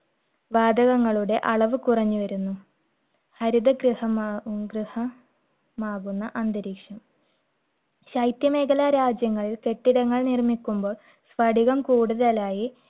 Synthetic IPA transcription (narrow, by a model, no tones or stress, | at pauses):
ʋaːd̪ɐɣɐŋːɐɭuɽe̞ʔɐɭɐʋɨkurɐɲːuʋɐɾunːu | hɐɾid̪ɐɡrɨhɐmɡrɨhɐ | maːɣunːɐʔɐnd̪ɐɾiːkʂɐm | ɕɐjt̪jɐmeːkʰɐlaːɾaːd͡ʑjɐŋːɐɭilke̞ʈːiɽɐŋːɐɭnirmikʲːumbo̞ːɭ | sʋɐɽiɣɐmkuːɽuðɐlaːji